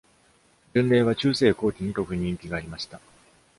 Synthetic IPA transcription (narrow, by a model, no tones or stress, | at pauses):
d͡ʑɯ̃nɾe̞ːβat͡ɕɨːse̞ːko̞ːt̪ʲiɲ̟it̪o̞kɯ̟ɲ̟ĩŋkʲiɡaːɾʲimaɕi̥t̪a